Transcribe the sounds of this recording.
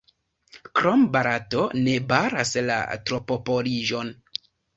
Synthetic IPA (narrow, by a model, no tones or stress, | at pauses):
kɾombaɾatone̞baɾasla̰tɾopopoliʒo̞n